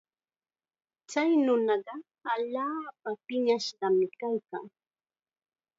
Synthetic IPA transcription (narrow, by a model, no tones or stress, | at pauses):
t͡sajnʊnɑɢɑ | aʎaːpapɪɲaʃɢɑmɪkajka̰ŋ